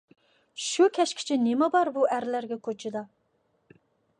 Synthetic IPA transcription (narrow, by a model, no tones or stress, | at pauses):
ʃukʲʰɛʃkʲʰɪ̥t͡ʃʰinɪmɛbɑɾbuʔæɾlæɾɡʲɛkʰot͡ʃʰɪd̪ɑ